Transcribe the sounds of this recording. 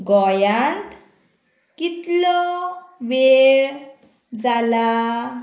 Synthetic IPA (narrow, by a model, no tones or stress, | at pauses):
ɡɔjant̪ | kit̪lɔʋeɭ | d͡zala